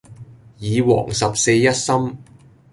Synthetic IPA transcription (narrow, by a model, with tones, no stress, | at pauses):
jiː˨˧wɔ̰ː˨˩ŋsɐ˨p̚se˧jːɐ˥t̚sɐ˥m